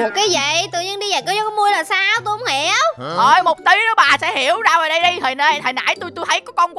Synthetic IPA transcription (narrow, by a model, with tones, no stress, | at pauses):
mo˨˩t̚kaː˨˦jvə̰˧˨jt̪ɨ̰˧˨ɲi˧ənɗi˧zə˨˩kɔː˨˦zɔ˦kɔ˨˦mu˧əjlaː˨˩saː˧wt̪u˧ho˨˦ŋ͡mhi˧˩˦wʔəː˧˩jmo˨˩t̚t̪i˨˦nɔ˨˦ɓaː˨˩sɛ̰˧˥hi˧˩əwzaː˧vəː˨˩ɗə˧jɗi˧j̪ʰəː˨˩jnə˧˩jt̪ʰə˨˩jna̰ː˧˥jt̪u˧jt̪u˧jt̪ʰə˨˦jkɔː˨˦kɔ˧nkw